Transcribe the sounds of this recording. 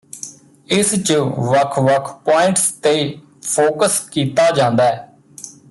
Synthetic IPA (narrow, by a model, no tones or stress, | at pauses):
ɪst͡ʃʋəkʰʋəkʰpoːɪ̃ɳʈst̪eː | pʰoːkəskiːt̪aːd͡ʒãːnd̪aːɛː